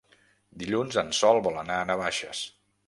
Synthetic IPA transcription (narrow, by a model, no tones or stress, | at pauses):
d̪iʎunzənsɔlˠβɔlˠənaənaβaʃə̰s